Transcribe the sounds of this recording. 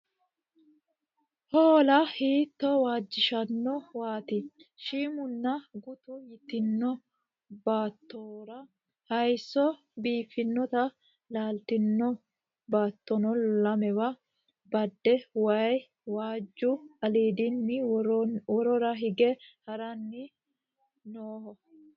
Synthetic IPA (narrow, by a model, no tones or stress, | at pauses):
hoːlɐhiːt̪ːɔwaːd͡ʒːɪʃɐnːɔwaːt̪ɪʃiːmʊnːɐɡʊt̪ʊjɪt̪ɪnːɔ | baːt̪ːoːɾɐ | hɐjsːɔ | biːfːɪnːɔt̪ɐ | laːlt̪ɪnːɔ | baːt̪ːɔnɔlɐmɛwɐ | bɐd̪ːɛwɐj | waːd͡ʒːʊɐliːd̪ɪnːɪ | wɔɾɔɾɐɦɪɡɛhɐɾɐnːɪ | noːhɔ